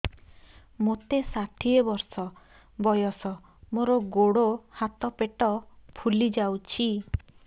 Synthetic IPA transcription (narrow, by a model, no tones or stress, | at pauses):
mot̪esaʈʰiebɔɾsɔ | bɔjɔsɔ | moɾɔɡoɽohat̪ɔpeʈɔpʰulid͡ʒawt͡ʃʰi